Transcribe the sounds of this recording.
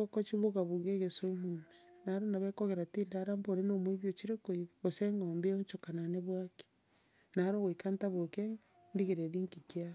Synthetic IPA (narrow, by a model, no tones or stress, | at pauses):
okɔt͡ʃiβoɣaβuɣeɣesomumenaɾonaβɛkoɣeɾatindaɾamboɾenomweβjot͡ʃiɾekoiβaβoseŋɡɔːmbeɲt͡ʃokananeβwake̥ | naaɾoɣwekantaβoke | ndiɣeɾeɾiŋkikia